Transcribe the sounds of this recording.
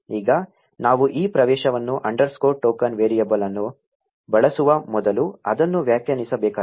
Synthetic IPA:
iːɡɐ | naːʋuʔiːpɾɐʋɛːʃɐʋɐnːuʔɐɳɖɐɾskoːʈːoːkɐnʋeːɾijɐbɐlɐnːu | bɐɭɐsuʋɐmɔd̪ɐluɐ̰d̪ɐnːuʋjaːkjɐnisɐbɛːkaː

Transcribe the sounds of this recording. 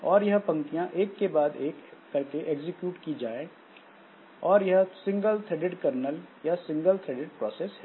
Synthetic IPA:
ɔːɾjɐɦpɐ̃ŋkijãʔeːkːebaːd̪eːkː | ɐɾkeʔeɡzɪkjuːʈkid͡ʒaːẽ | ɔːɾjɐɦsɪ̃ŋɡəlt̪ʰɾeːɖɪɖkɐɾnəljasɪ̃ŋɡəlt̪ʰɾeːɖɪɖ̚pɾɔːsesɦɛ̃

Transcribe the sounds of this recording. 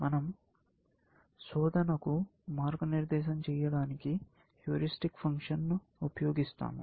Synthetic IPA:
mɐnɐm | sɔːd̪ʱɐnɐkumaːɾɡɐniɾd̪ɛːʃɐmt͡ʃɛːjɐɽaːniki | ʈjuːɾisʈikpʰɐŋkʂɐnːuː | pɐjoːɡist̪a̰ːmṵ

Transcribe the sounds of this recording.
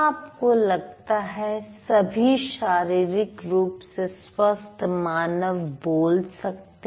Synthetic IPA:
aːpkolɐɡ̚t̪aɦɛsɐbʱiʃaːɾiːɾɪkɾuːpseswɐst̪maːnəʋboːlsɐk̚t̪e

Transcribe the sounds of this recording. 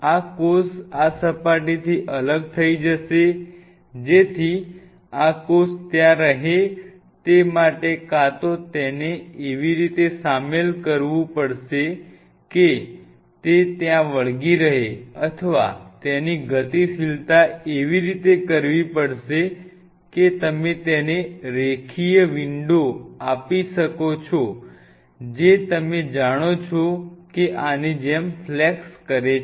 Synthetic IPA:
akosasəpaʈit̪ʰiːʔələɡ̚t̪ʰəid͡ʒəse | d͡ʒet̪ʰiː | akost̪jãɾəɦe | t̪emaʈekat̪ot̪ɛneːʋiɾit̪esamelkəɾʋũpəɽse | ke | t̪et̪jãʋəɭɡiːɾəɦeət̪ʰəʋa̰t̪eniɡət̪ifilt̪aeʋiɾit̪ekəɾʋipəɽʃe | ket̪əmet̪eneɾekʰijəʋiɳɖoapiʃəkot͡ʃʰɔ | d͡ʒet̪əmed͡ʒaɽ̃ot͡ʃʰɔkeʔaned͡ʒemflɛkskəɾe

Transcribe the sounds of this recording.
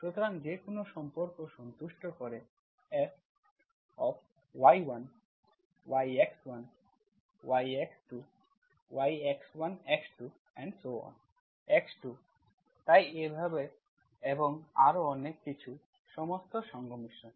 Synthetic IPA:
pɾot̪ʰoɾand͡ʑekonoʃɔmpoɾkoʃɔnt̪uʃʈokɔɾe | es | ɔf | wajwan | wajekswan | wajeksʈu | wajekswanɛksʈu | ɛɳɖsoɔ̰n | ɛksʈu | t̪ajebʱabe | eboŋa̰ɾoɔnekːit͡ɕʰu | ʃɔmost̪oʃɔŋɡʱomiʃo

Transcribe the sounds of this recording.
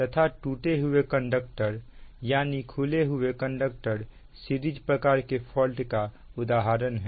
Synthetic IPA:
t̪ət̪ʰaʈuːʈeɦʊekə̃ɳɖək̚ʈəɾjaːnikʰuleɦʊekə̃ɳɖək̚ʈəɾ | siɾid͡ʒpɾəkaːɾkepʰɔːlʈka | ʊd̪aːɦaːɾənɦɛ

